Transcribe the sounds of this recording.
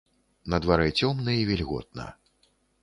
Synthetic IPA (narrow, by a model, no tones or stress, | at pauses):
nɐd̪vaɾɛt͡sʲɔmnɐivʲɛlʲɣɔ̰t̪̚nɐ̰